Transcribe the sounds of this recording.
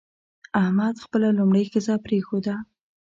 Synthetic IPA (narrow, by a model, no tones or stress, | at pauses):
ahmad̪xpəlalʊmɽəjxɪzɑpɾexod̪a